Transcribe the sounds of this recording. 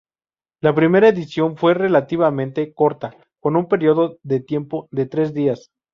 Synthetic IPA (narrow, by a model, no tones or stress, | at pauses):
lapɾime̞ɾaeðisjo̞nfwe̞re̞lat̪iβamẽnt̪e̞ko̞ɾt̪a | ko̞numpe̞ɾjo̞ðoðe̞t̪je̞mpo̞ðe̞t̪ɾe̞zðias